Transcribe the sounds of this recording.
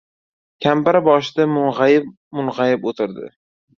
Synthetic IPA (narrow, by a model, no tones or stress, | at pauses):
kʲʰambaɾabɒʃɪd̪amʊnʁajɪp | mʊnʁajɪpot̪ʰɪɾd̪ɪ̰